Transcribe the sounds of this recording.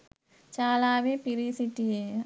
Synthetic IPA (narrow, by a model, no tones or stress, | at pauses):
t͡ʃaːlawepiɾisiʈie